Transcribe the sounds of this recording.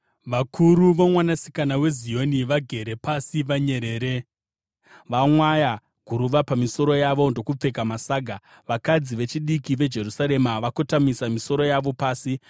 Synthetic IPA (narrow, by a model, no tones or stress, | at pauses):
ʋakʰuɾuʋomwanasi̥kanawe̞zijo̞niʋaɡʱe̞ɾe̞pasiʋaɲe̞ɾe̞ːɾe | ʋamwaja | ɡ̥ʱuɾuʋapamiso̞ɾo̞jaʋo̞ndo̞kup͡fe̞kamasaːɡʱa | ʋakad͡ziʋe̞t͡ʃiɗikiʋe̞d͡ʒe̞rusaɾe̞maʋakotamisamiso̞ɾo̞jaʋopaːsi